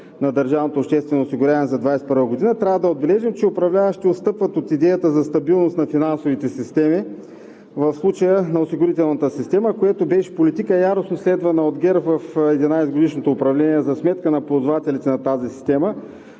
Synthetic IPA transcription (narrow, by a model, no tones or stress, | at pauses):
nɐd̪əɾʒavnot̪oːpʃt̪ɛst̪vɛnoːsiɡʊɾʲavɐnɛzɐd̪vajsɛ̥pəɾvəɡod̪inət̪ɾʲavəd̪ɐod̪̚bɛlɛʒimt͡ʃɛʊpɾɐvlʲavəʃt̪iot̪st̪ɤpvət̪ot̪id̪ɛjət̪əzɐst̪ɐbilˠnost̪nɐfinansovit̪ɛsist̪ɛmi | vɐfslˠut͡ʃəjənɐosiɡʊɾit̪ɛlˠnɐt̪əsist̪ɛməkojɛt̪obɛʃɛ̥polit̪ikəjaɾosnoslɛd̪vənɐod̪ɡʲɛɾvɐfɛd̪inajsɡod̪iʃnot̪oːpɾɐvlɛniɛzɐsmɛt̪kənɐpod̪vat̪ɛlit̪ɛnɐt̪azisi̥st̪ɛmə